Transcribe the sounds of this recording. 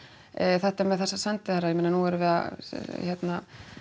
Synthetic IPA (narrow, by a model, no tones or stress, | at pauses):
θɛht̪ɛɾmɛðθɛsːasɛnt̪ɪθarːajɛmɛnanuɛɾʏvɛːða̰çɛt̪na